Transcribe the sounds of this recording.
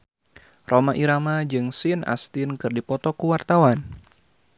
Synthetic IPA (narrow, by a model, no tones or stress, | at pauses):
rʔomaʔiɾamad͡ʒɨŋsɪna̰st̪ɪnkɨrdipɔt̪ɔkuwart̪awan